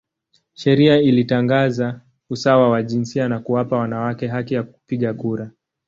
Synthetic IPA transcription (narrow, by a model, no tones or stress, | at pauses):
ʃɛɾiailitaŋɡaza | usawawaʄinsianakuwapawanawakɛɦakɛjaku̥piɠakuɾa